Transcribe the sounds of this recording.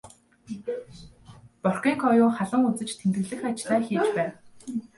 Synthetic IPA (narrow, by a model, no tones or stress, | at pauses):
pɔr̥kʲiːŋkʰɔjʊːχaɮə̆ŋut͡sɘ̆t͡ɕt̪ʰemt̪ɘ̆ɮɘ̆xat͡ɕɮaːxiːt͡ɕpæːw